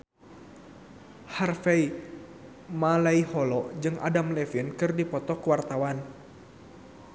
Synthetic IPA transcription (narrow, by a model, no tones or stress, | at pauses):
harfɛi | malaihɔlɔd͡ʒɨŋʔa̰damlɛfinkɨrdipɔt̪ɔkəwart̪awan